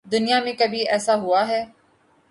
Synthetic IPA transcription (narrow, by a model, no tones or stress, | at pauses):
d̪ʊnijamẽkɐbʱiɛːsaɦʊaɦɛː